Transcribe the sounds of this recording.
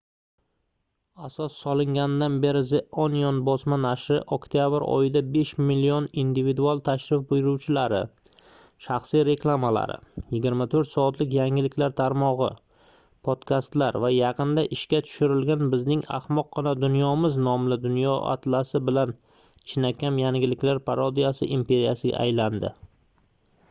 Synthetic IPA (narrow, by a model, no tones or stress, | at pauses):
asɒsːɒlˠɪŋɡʲand̪anbe̞ɾɪzeʔonjonbɒsmanaʃɾɪʔokt̪ʰijabɪɾɒ̰jɪd̪abe̞ʃmilːionind̪ivid̪ualˠt̪ʰaʃɾɪfbʊjɾuwt͡ʃʰɪlaɾɪ | ʃɑχsijɾe̞kʰlˠamala̰ɾɪ̰jɪɡʲɪɾmat̪ʰɵɾt̪sɒːt̪lɪkʲjaŋɪlɪkʲlaɾt̪ʰaɾmɒʁɨ | pʰod̪̥kʰʲast̪laɾvajɑqʰɨnd̪aʔɪʃkʲat̪ʰʊ̥ʃɪɾɪlɡʲanbɪznɪŋa̰hmɒqːɒnad̪ʊnjɒmɪznɒmlɪd̪ʊnjɒʔa̰t̪lasɪbɪlan | t͡ʃʰɪnakʲamjaŋɡʲɪlɪkʲlaɾpʰaɾɒd̪ijasɪ̰ʔimpe̞ɾijasɪɡʲa̰ʔːjland̪ɪ̰